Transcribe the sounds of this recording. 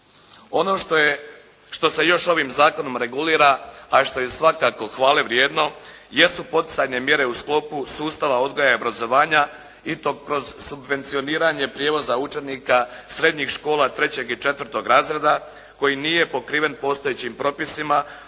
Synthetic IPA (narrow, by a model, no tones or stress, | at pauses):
o̞no̞ʃ | ʃt̪o̞se̞jo̞ʃo̞ʋimzaːko̞no̞mɾe̞ɡuliːɾaːʃt̪o̞jesʋakaːko̞xʋaːleʋɾjeːd̪no̞ | je̞supo̞t̪i̥sajne̞mje̞ɾe̞usklo̞pusuːst̪aʋao̞d̪ɡo̞jajobɾazo̞ʋaːɲa | it̪o̞kɾo̞zsubʋe̞nt̪sio̞niːɾaɲe̞pɾjeːʋo̞zaut͡ʃeniːkasɾe̞d̪ɲixʃko̞ːlˠat̪ɾe̞t͡ɕe̞ɡit͡ʃe̞t̪ʋɾt̪o̞ɡɾaːzɾed̪a | ko̞jiniːje̞po̞kɾiːʋe̞npo̞ːst̪o̞jet͡ɕimpɾo̞pisima